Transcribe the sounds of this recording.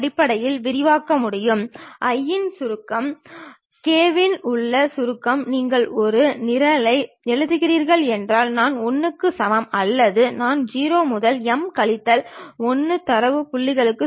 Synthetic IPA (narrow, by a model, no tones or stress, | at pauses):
ɐɽɪpːɐɽɐjɪlʋɪɾɪʋaːkːɐmʊɽɪjɯmʔɐjːɪnsʊɾɯkːɐm | keːʋɪnʊɭːɐsʊɾɯkːɐmniːŋɡɐɭɔɾɯnɪɾɐlɐɪ | ɛɻɯðɯɣɪriːɾɣɐɭɛndraːlnaːnɔnːɯkːɯsɐmɐmɐlːɐðɯnaːnd͡ʒiːɾoːmʊðɐlɛmkɐɭɪt̪ːɐlɔnːɯt̪ɐɾɐʋɯpʊɭːɪɣɐɭɯkːɯ